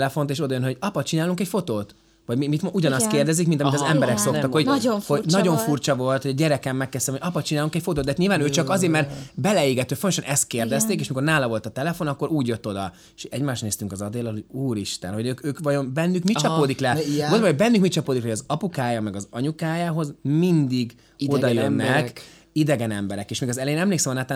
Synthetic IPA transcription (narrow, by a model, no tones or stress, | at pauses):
lɛfo̞nt̪eːʃo̞d̪ɒjønɦo̞ɟɒpɒt͡ʃinaːluŋkɛcfo̞t̪oːt̪ | ʋɒɟmimit̪mʔuɟɒnɒst̪keːrd̪ɛzikmint̪ɒmit̪ɒzɛmbɛɾɛkso̞t̪ɒkhoɟhonɒɟo̞ɱfurt͡ʃɒvo̞lt̪hoɒɟɛɾɛkɛmːɛkːɛst̪ɛmhoɒpɒt͡ʃinaːluŋkɛcfo̞t̪oːd̪aːt̪ɲilvaːnøːt͡ʃɒkɒzeːɾmɛrt̪bɛlɛeːɡɛt̪øːfont̪oʃɒnɛst̪̚keːrd̪ɛst̪eːkeːʃmiko̞rnaːlɒvo̞lt̪ɒt̪ɛlɛfo̞nɒkːo̞ɾuːɟjøt̪ːo̞d̪ɒ | eʃɛ̰ɟmaːʃt̪neːst̪yŋkɒzɒd̪eːlːɒlɦo̞ɟuːɾiʃt̪ɛ̰nɦo̞ɟøːkøːkʋɒjo̞nbɛnːykmit͡ʃɒpoːd̪iklɛɡonbɒmoɟbɛnːyŋkmit͡ʃɒpoːd̪iklɛjɒzɒpukaːjɒmɛɡɒzɒɲukaːjaːɦo̞zmind̪iɡ | od̪ɒjønːɛk | id̪ɛɡɛnɛmbɛɾɛkeːʃmiːɡɒzɛlɛeːnɛmleːksɛmɒnaːt̪aː